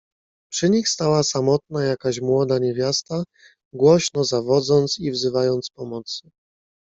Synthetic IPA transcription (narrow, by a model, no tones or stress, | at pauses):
pʂɘɲixst̪awasamɔt̪̚najakaɕmwɔd̪aɲevʲjast̪a | ɡwɔɕnɔzavɔd̪zɔnt̪sivzɘvajɔnt̪spɔmɔt̪sɘ̥